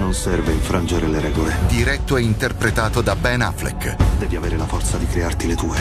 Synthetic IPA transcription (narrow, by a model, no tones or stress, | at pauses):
nonsɛrveilfɾand͡ʒeɾeleɾɛːɡoled̪iɾɛt̪ːoɛint̪erpɾet̪aːt̪od̪abɛna̰flɛ̰kːd̪ɛːviaveːɾelafɔrt̪sad̪ikɾeart̪ilet̪uːe